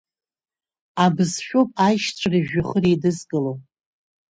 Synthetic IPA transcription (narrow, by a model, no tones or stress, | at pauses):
abɨzʃᶣopʼajʃt͡ʃʷʼʰariʒᶣaχəɾidɨzɡɨlo